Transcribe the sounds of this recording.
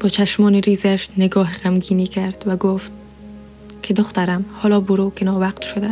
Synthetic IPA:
b̥ɒːt͡ʃʰæʃmɒːniɾiːzæʃneɡɒːɦʁæmɡiːnikʰæɾd̪̥væɡoft̪̚ | kʰed̪oxt̪æɾæmhɒːlɒːbʊɾokʰenɒːvæqt̪ʃod̪æ

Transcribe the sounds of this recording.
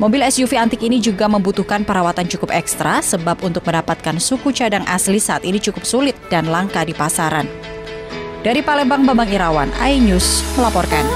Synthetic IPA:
mobɪlɛsjufiant̪ɪkinid͡ʒuɡaməmbut̪uhkanpəɾawat̪ant͡ʃukʊp̚ɛkst̪ɾasəbapunt̪ʊk̚məndapat̪̚kansukut͡ʃadaŋʔa̰slisaʔat̪init͡ʃukʊp̚sulɪt̪̚d̥anlaŋkadipasaɾan | d̥aɾipalɛbaŋbabaŋiɾawanʔa̰jɲusməlapɔrkan

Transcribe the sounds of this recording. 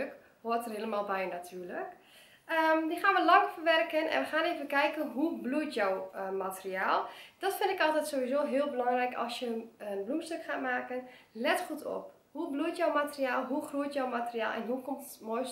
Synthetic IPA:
k | hoətərheːləmaːlˠbɛjnatʰyːlək | ədixaːnʋəlɑŋəfərʋɛrkənʔɛ̰nʋəxaːneːvənkɛjkənɦublujtjɔwmatəriaːlˠd̥ɔtfɪndɪkɔlˠtɛtsoːʋizoːɦeəlˠbəlɔŋrɛjkɔ̰lˠsjəənblumstøkχaːtmaːkən | lɛtχutʰɔ̰p | hublujtjɔwmatəriaːlˠɦuxruətjɔwmatəria̰ːlˠɛ̰nɦukomtmojs

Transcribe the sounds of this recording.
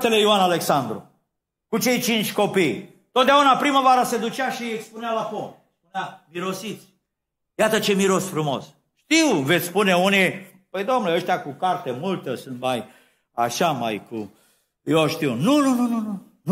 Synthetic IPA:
t̪e̞le̞juanale̞ksand̪ɾṵ | kut͡ʃe̞jt͡ʃint͡ʃʲko̞pij | t̪ot̪d̪aunapɾimavaɾəse̞d̪ut͡ʃaʃiekspunealapom | spuneamiɾo̞sit̪sʲ | jat̪ət͡ʃe̞miɾo̞sfɾumo̞̰s | ʃt̪iwvet̪sspune̞uni | pəjd̪o̞mnuleəʃt̪eakukart̪emult̪əsunt̪maj | aʃama̰jkṵ | joʃt̪iwnununununu | n

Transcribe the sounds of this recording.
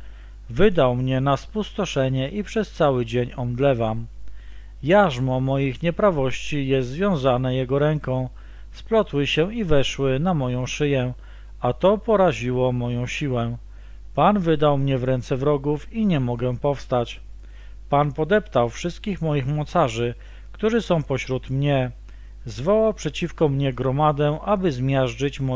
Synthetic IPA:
vɘd̪awmɲɛnaspust̪ɔʂɛɲɛʔipʂɛst̪sawɘd͡ʑeɲɔmd̪lɛvam | jaʐmɔmɔjixɲɛpɾavɔɕt͡ɕijɛst̪zvʲjɔ̃w̃zanɛjɛɡɔɾɛŋkɔ̃w̃ | splɔt̪wɘɕɛivɛʂwɘnamɔjɔ̃w̃ʂɘjɛ | at̪ɔpɔɾaʑiwɔmɔjɔ̃w̃ɕiwɛ | panvɘd̪awmɲɛvɾɛnt̪sɛvɾɔɡufiɲɛmɔɡɛpɔfst̪at͡ɕ | panpɔd̪ɛpt̪awfʂɘst̪̚kʲixmɔjixmɔt̪saʐɘ | kt̪uʐɘsɔ̃w̃pɔɕɾut̪mɲɛ | zvɔwawpʂɛt͡ɕifkɔmɲɛɡɾɔmad̪ɛʔabɘzmʲjaʐd͡ʐɘt͡ɕmɔ

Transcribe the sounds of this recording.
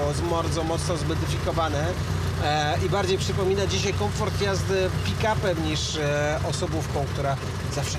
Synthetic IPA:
wɔmaɾd̪zɔmɔt̪snɔzmɔd̪ɘfʲikɔvanɛ | ibaɾd͡ʑejpʂɘpɔmʲinad͡ʑiɕajkɔɱfɔɾt̪jazd̪pʲikapɛmɲiʂ | ɔsɔbufkɔ̃w̃k̚t̪uɾa | zafʂ

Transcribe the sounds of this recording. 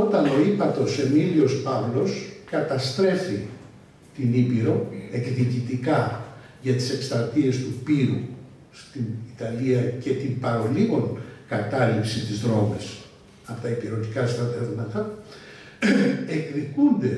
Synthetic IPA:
o̞t̪ɐno̞ipɐt̪o̞senilio̞spɐvlo̞skɐt̪ɐst̪ɾe̞fi | t̪inipiɾo̞e̞kðicit̪ikɐ | ʝɐt̪i̥se̞kst̪ɾɐt̪ie̞st̪upiɾu | st̪init̪ɐliɐce̞t̪impɐɾo̞liɣonkɐt̪ɐlipsit̪izðɾo̞mes | ɐpot̪ɐipiɾo̞t̪ikɐst̪ɾɐðevmɐt̪ɐ | ekðikund̪e̞

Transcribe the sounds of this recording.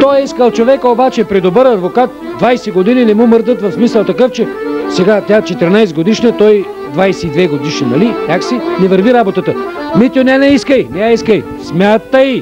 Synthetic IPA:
t̪ɔjɛiskəlˠt͡ʃovɛkəobat͡ʃɛpɾid̪obɤɾɐd̪vokat̪̚ | d̪vajsɛɡod̪ininɛmumɤɾd̪ət̪vɐfsmisəlˠt̪ɐkɤft͡ʃɛsɛɡat̪ʲat͡ʃɛt̪ɛɾinajsɡod̪iʃnət̪ɔj | d̪vajsɛid̪vɛɡod̪iʃnənɐlinʲaksinɛvəɾviɾabot̪ət̪ə | mit̪ʲonʲɛnɛiskəjnʲaiskəj | smʲjat̪ːəj

